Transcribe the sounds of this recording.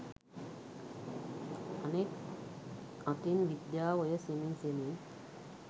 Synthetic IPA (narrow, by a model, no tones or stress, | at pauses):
ənek | at̪inʋid̪jaʋəjəseminsemin